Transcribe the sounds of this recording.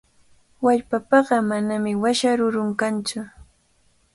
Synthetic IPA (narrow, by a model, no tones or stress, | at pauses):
waʎpapɑɢɑmanamɪwaʃaɾʊɾʊŋkant͡sʊ